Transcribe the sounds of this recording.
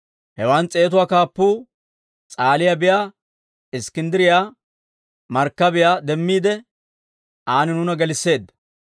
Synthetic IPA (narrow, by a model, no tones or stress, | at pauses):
hɛwaːnt͡sʼe̞ːt̪̬ʊwaːkaːpːuː | t͡sʼaːlɪjabɪjaː | ɪskːɪnd̪ɪɾɪjaː | mɐɾkːɐbɪjaːd̪ɛmːiːd̪ɛ | ʔaːnɪnʊnɐɡɛlɪsːe̞ːd̪ɐ